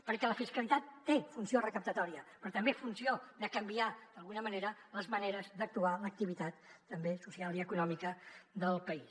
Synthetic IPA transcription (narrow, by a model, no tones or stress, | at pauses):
pəɾkɛləfiskəlit̪at̪ːefunsiorəkəp̚t̪ət̪ɔɾiəpɾɔt̪əmbefunsiod̪əkəmbiad̪əlˠɣunəməneɾələzməneɾəzd̪ək̚t̪ualək̚t̪iβ̞it̪at̪ːəmbesusialˠiəkunɔmikəd̪əlˠpəis